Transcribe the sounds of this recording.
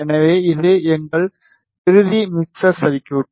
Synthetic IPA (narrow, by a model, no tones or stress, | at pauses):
ɛnɐʋeːɪlːeːɛŋɡɐɭ | ɪɾɯðimɪksɐsɐʋɪkʲːɐʋɪʈː